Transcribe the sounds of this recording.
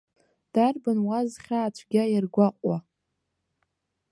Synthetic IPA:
d̥arbɨnwazχʲaːt͡ʃʷʰɡʲajarɡʷaqʷʼa

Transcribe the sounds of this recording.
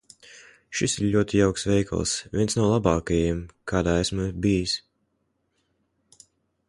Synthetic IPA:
ʃisiɾʎʲuɔt̪ijawksvɛjka̰l̰ˠsvʲiɛnsnawlˠabɑːkajimkʰaːd̪aːɛsmabijs

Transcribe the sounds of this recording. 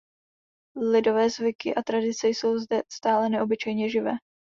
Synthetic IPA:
lɪdo̞vɛːzvɪkɪʔat̪ɾadɪt͡sɛjso̞wzdɛst̪aːlɛnɛʔo̞bɪt͡ʃɛjɲɛʒɪvɛː

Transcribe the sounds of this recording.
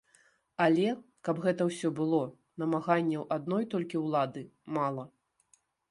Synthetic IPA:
ɐlʲɛ | kɐbɣɛt̪ɐwsʲɔbɨlˠɔ | nɐmaɣanʲːɛwʔad̪̚nɔjt̪ɔlʲkʲiwlˠad̪ɨmalˠɐ

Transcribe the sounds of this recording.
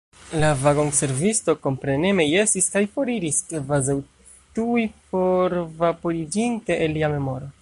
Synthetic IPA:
lavaɡo̞ŋse̞ɾvisto̞ko̞mpɾe̞ne̞me̞je̞siskajfo̞ɾiɾiskvazaw | tujpo̞ɾvapo̞ɾid͡ʒinte̞ʔelːiame̞mo̞ɾo̞

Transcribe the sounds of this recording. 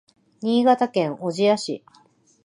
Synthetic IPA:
ɲ̟iːɡat̪akẽ̞ŋʔo̞ʑijaɕḭ

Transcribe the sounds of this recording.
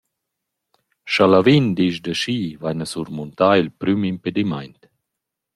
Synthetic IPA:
ʃalavind̪iʃdəʃiːvajnasuɾmunt̪aːilpɾymimped̪ima̰jnt̪

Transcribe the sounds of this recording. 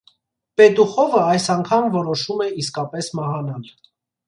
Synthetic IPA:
pɛt̪uχɔvəɑjsɑŋkʰɑmvɔɾɔʃumɛiskɑpɛsmɑhɑnɑl

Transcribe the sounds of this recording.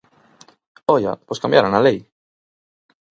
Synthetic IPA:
oʎa̰poskãmbjaɾonalej

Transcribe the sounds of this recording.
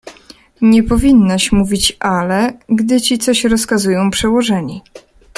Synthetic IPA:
ɲɛpɔvʲinːaɕmuvʲit͡ɕʔalɛɡd̪ɘt͡ɕit̪sɔɕɾɔskazujɔ̃w̃pʂɛwɔʐɛɲi

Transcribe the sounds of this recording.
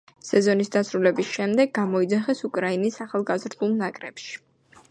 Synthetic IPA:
sɛzɔnisd̪asɾulɛbisʃɛmd̪ɛɡːamɔid̪zaχɛsukʼɾainisaχalˠɡazɾd̪ulˠnakʼɾɛ̰pʃi̥

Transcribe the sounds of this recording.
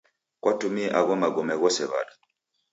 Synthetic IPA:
kwʔatumiɛʔaɣɔmaɡɔmɛɣɔsɛβa̰ɗa

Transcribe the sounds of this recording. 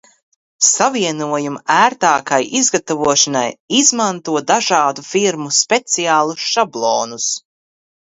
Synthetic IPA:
saviɛnuɔjumæːɾt̪aːkajʔizɡat̪avuɔʃanajizmant̪uɔd̪aʒɑːd̪ufiɾmuspet̪siaːlˠuʃablˠɔːnus

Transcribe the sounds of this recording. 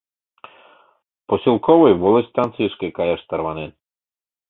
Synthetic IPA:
pɔsʲilˠkɔʋɔjʋɔlˠɛst̪ant̪sɨjskekajaʂt̪aɾʋanɪn

